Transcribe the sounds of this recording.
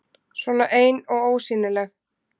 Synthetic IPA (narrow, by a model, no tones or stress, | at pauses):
svɔːnaʔeːjnɔɣoːwsiːnɪlɛx